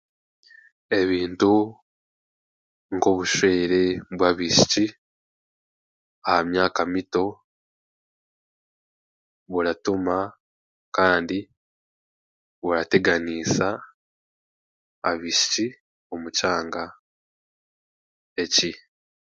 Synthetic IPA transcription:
e̞βiːntu | ŋɡo̞βuʃwe̞ːɾe̞βwaβiʃi̥ci | ahamjaːkamito̞ | βuɾatuma | kaːndi | βuɾate̞ɡaniːsa | βiʃi̥ci | o̞mucaːŋɡa | e̞ci

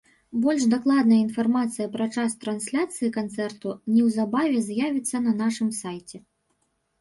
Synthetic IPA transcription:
bɔlʲʂd̪aklˠad̪nɐjəinfarmat̪sɨjɐpɾɐt͡ʂast̪ɾansʲlʲat̪sɨjikant̪sɛrt̪unʲɛwzabavʲɛzjavʲit̪sːɐnɐnaʂɨmsajt͡sʲɛ

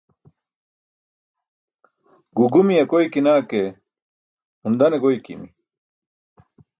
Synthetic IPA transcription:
ɡuɡumiɐkojkinaːke | und̪ɐneɡojkḭmi

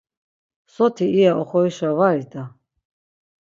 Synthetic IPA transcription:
sɔt̪ʰiːjaʔɔχɔiʃavaɾid̪ʰa

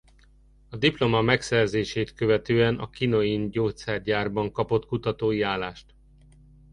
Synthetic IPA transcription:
ɒd̪iplo̞mɒmɛksɛrzeːʃeːt̪kø̞vɛt̪øːɛnɒ̰kinoinɟoːt̪sɛrɟaːrbɒŋkɒpo̞t̪kut̪ɒt̪oːiaːlaːʃt̪

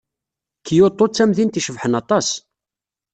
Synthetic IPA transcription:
kːjot̪ˤːot͡sːæmðint̪iʃəvħənɑt̪ˤɑs

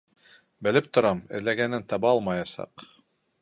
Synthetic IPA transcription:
bɘ̆lɘp̚t̪ŏɾɑmɘ̰̆ðlæɡænɘnt̪ɑβɑɑlˠmɑjɑsɑ̰q

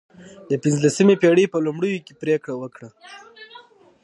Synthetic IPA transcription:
d̪əpɪnzlasəmepeɽepəlumɽəjokepɾekɽawəkɽa

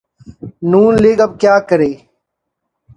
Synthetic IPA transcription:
nuːnleːɡɐb̚kjaːkəɾeː

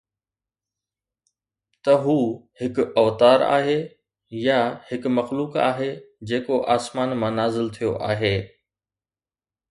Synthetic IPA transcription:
t̪ɐɦuːhɪkɐʋt̪aːɾa̰ːɦe | jahɪkmɐxluːka̰ːɦed͡ʑeːkoʔaːsmaːnmãnaːzɪlt̪ʰijoʔaːɦeː

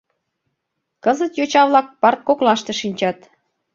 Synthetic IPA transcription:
kəzət̪jot͡ɕɑβlɑk̚pɑrt̪̚koklɑʃt̪eʃinʲt͡ɕɑt̪

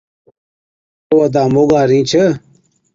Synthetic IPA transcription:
owɐd̪aːmoɡaːɾĩːt͡ɕʰə

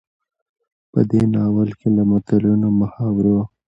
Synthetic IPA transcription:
pə̰d̪enɑwəlkelamʊt̪alunoməhɑwɾo

